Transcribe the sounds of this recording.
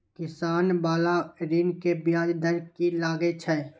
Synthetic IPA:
kɪsaːnbaːlaɾiːnkebjaːd͡ʒd̪əɾkilaːɡet͡ʃʰɛː

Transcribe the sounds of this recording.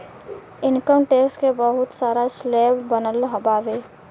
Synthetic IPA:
ɪnkəmʈeːkskebəɦʊt̪saːɾasleːbbənəlɦɐbaːʋeː

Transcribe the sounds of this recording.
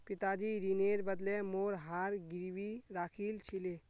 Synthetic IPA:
pɪt̪aːd͡ʒiɾineːɾbəd̪lemoːɾɦaːɾɡiɾwiɾaːkʰilt͡ʃʰile

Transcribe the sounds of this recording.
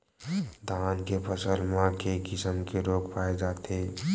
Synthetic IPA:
d̪ʱaːnkepəsəlmãkekɪsəmkeɾoːkpaːed͡ʒaːt̪e

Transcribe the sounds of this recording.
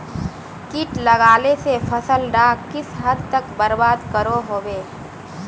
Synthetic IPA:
kɪʈlɐɡaːlesefʰɐsəlɾaːkkɪsɦɐd̪ʱt̪əkbəɾbaːd̪kəɾoɦoːweː

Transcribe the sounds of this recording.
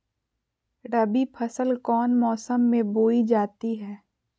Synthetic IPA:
ɖəbipʰɐsəlkɔːnmɔːsəmːẽboːid͡ʒaːt̪iɦɛː

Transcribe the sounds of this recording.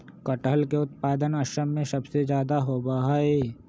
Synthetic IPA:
kəʈəlkeʊt̪paːd̪ənɐʃəmːẽsɐbsed͡ʒjaːd̪aɦoːbaɦaeː

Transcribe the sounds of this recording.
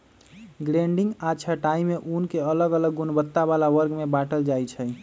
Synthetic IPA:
ɡɾẽɳɖiŋɡat͡ʃʰaʈaimeʔunkeələɡələɡːunbət̪ːaβalaʋəɾɡmebaʈəld͡ʒajt͡ʃʰɛ

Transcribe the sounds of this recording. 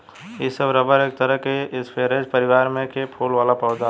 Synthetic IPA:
isəbɾəbəɾeːk̚t̪əɾəɦkeɪspʰeːɾeːd͡ʒpəɾɪʋaːɾmẽkepʰoːlʋaːlapɔːd͡ʒa

